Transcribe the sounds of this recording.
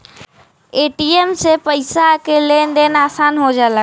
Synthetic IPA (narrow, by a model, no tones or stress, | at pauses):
eːʈiemsepəɪsakelenɖenaːsaːnɦod͡ʒaːlə